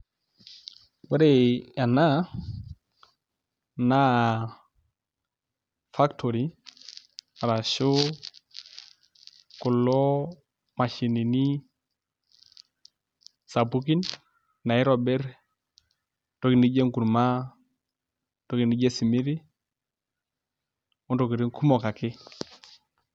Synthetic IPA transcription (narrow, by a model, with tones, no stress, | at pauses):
wɛ˦ɾe˨a˨na˦ | na˦ | fa˦ktʰo˨ɾi˦ | a˨ɾa˨ʃo˦ | kʊ˨lːɔ˦ | ma˨ʃi˨ni˨ni˦ | sa˨pu˦ki˦n | nːa˨ɪ˦ɾɔ˨bɛ˦ɾ | tɔ˦ki˨ni˦d͡ʒe˦ŋku˨ɾma˦ | tɔ˦ɡi˨ni˦ɟe˦si˨mi˦ɾi˦ | ʊ˦ndɔ˨ki˨ɾi˦ŋkʰu˦mɔ˨ka˨kɪ˦